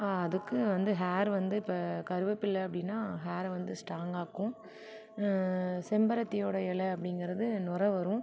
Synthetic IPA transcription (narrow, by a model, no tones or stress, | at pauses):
aːɐðɯkːɯʋɐnd̪ɯɦaːɾʋɐnd̪ɯɪpːɐkɐɾɯʋɐpːɪlːɐɐpːɐɽɪnːaːɦaːɾʋɐnd̪ɯsʈaːŋɡaːkːʊ̃ | sɛmbɐɾɐt̪ːɪjoːɽɐɪlɛɐpːɐɽɪŋɡɪɾɐðɯnʊɾɐʋɐɾʊ̃